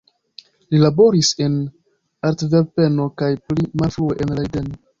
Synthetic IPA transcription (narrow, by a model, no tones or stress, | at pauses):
lilabo̞ɾise̞n | aɾtveɾpe̞no̞kajplimalfɾueʔenɾajdeno